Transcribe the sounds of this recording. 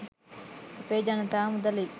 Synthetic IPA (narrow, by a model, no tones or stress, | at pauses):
ɐpeːd͡ʒanɐt̪aːmud̪ɐli